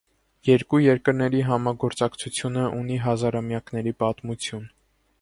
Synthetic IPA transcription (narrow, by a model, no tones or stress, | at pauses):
jɛɾkujɛɾkəɾnɛɾiɦɑmɑɡɔɾt͡sɑkt͡sʰut͡sʰjunəʔun̪iɦɑzɑɾɑmjɑknɛɾipɑt̪mut͡sʰjun